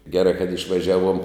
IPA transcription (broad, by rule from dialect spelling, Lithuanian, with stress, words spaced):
ɡʲɛˈrɐɪ kɐt ɪʃʋɐˈʒʲæːˌʋuɔm